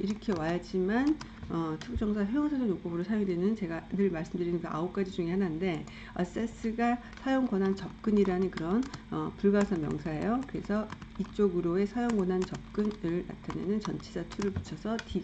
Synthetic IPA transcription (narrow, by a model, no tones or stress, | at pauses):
iɾʌkʰe̞wajad͡ʑiman | ʌtʰud͡ʑ͈ʌŋsʰajejoŋsʰad͡ʑoŋjop͈obɯɾosʰajoŋdwenɯnt͡ɕe̞ɡanɯɭmaɭs͈ɯmdɯɾinɯnkɯa̰up̚k͈ad͡ʑid͡ʑuŋehanande̞ | ʌs͈es͈ɯɡa | sʰajoŋɡwʌnɦant͡ɕʌp̚k͈ɯɲiɾanɯnkɯɾʌnʌpuɭɡasʰʌmjʌ̰ŋsʰaɦḛjokɯɾe̞sʰʌit͡ɕ͈oɡɯɾoe̞sʰajoŋɡʌnɦant͡ɕʌp̚k͈ɯnɯɭna̰tʰanḛnɯnt͡ɕʌnt͡ɕʰed͡ʑatʰuɾɯɭpu̥t͡ɕʰʌsʰʌti